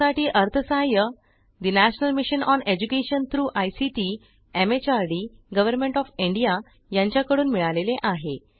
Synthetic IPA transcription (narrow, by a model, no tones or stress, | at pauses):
aʈiːʔəɾt̪ʰəsajə | d̪inæɕnəlmiɕənɔned͡ʑukeɕənt̪ʰɾuːʔajsiʈi | emet͡ɕaɾɖiɡəʋəɾmẽɳʈɔfiɳɖija | jãɲt͡ɕjakəɽuːnmiɭaleleʔaɦe